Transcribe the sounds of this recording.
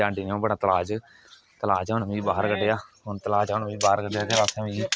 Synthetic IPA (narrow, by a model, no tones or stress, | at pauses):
ãːɳɖiːnõːbəɽãːt̪əlaːd͡ʒ | t̪əlaːd͡ʒɦonʋĩːbaːɦəɾkəɖejaːɦʊnt̪əlaːd͡ʒʊnʋĩːbaːəɾkəɖejaːkeɾaːsãːʋĩː